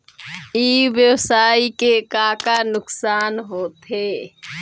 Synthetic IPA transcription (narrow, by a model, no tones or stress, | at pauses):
iːʋjəwsaːikekaːkanʊksaːnɦoːt̪eː